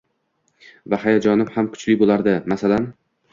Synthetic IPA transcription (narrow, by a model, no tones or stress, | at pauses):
vahajad͡ʒɒnɪmhamkʰʊ̥t͡ʃlɪbolˠaɾd̪ɪmasalan